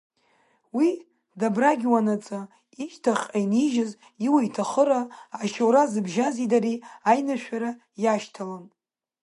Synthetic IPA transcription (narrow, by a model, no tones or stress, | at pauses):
wi | dabraɡʲwanat͡sʼa | iʃtʰaχʲajniʒaz | iwajtʰaχəɾaːʃowɾazɨbʒazidaɾiajnaʃᶣaɾa | jaʃtʰalam